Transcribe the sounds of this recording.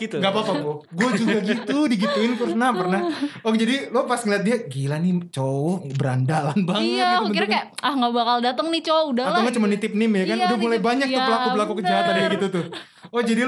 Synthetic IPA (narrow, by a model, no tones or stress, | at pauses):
it̪ŋɡapat̪ɔbɔɡuad͡ʒuɡaɡit̪udiɡit̪uɪnkərnapərnahɔhd͡ʒadilopasŋiliat̪̚diaɡilanɪt͡ʃoɔbəɾandalanbaŋəkbəkikajaahŋɡabakaldat̪əŋnit͡ʃoudaatlawŋɡat͡ʃumanit̪ɪp̚nɪmjakanɡʊmulajbaɲak̪upəlakupəlakukəd͡ʒawat̪andiaɡɡit̪ut̪ʊh | ɔhd͡ʒadi